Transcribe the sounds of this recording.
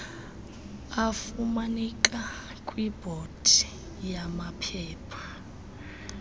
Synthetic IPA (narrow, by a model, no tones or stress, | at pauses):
afumanikʼa | kʼwib̥ʱod̥ʱi | jamapʰɛːpʰḁ